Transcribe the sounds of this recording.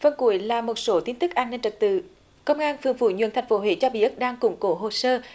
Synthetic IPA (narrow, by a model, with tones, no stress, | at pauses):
fə˧nku˧˩əjlaː˨˩mo˨˩t̚so˨˦t̪i˧ənt̪ɨ˦˥k̚ʔaː˧nːe˧nt͡ɕə˨˩t̚t̪ɨ̰˧˨ | kə˧wŋ͡mʔaː˧nfɨ˨˩əŋfṵ˧˩˦ɲw̰i˧˨ənt̪ʰjŋ̟fo˨˦ɦwḛ˧˨˦t͡ɕɔ˧ɓḭ˧˩ʔk̚ɗaː˧ŋkʊ̰˨˧˦ŋ͡mko˨˦ɦo˨˩səː˧